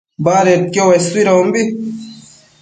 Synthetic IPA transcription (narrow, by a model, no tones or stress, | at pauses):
baːɾet̪̚kowɐswiɾɐumbi